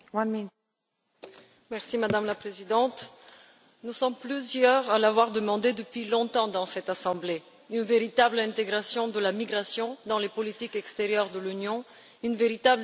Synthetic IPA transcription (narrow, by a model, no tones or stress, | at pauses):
wmi | mɛʁsimad̪amlapχezid̪ɑ̃t̪ | nusɔmplyzjœʁalavwaʁd̪əmɑ̃d̪ed̪əpɥilɔ̃t̪ɑ̃d̪ɑ̃sɛt̪asɑ̃ble | ynveʁit̪ablɛ̃t̪eɡʁasjɔ̃d̪əlamiɡʁasjɔ̃d̪ɑ̃lepɔlit̪ikɛkst̪eʁjœʁd̪əlynjɔ̃ | ynveʁit̪ab